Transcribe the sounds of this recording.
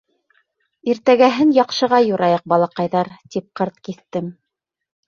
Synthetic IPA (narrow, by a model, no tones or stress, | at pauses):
iɾt̪æɡæɦɘnjɑqʃɤ̆ʁɑjuɾɑjɑq̚bɑlˠɑqɑjðɑɾt̪ip̚qɤ̆ɾt̪̚kiθt̪ɘm